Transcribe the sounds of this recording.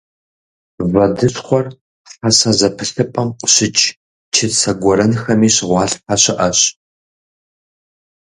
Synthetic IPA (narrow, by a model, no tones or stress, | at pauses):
vɐdɨɕχʷɔr | ɬɐsɐzɐpʰɨɬɨpʼɐmqʷʼɕɪt͡ʃʼ | t͡ʃʰɪsɐɡʷɔɾɐnxɐmiːɕɪʁʷɑːɬpʰɐɕɪʔɐɕ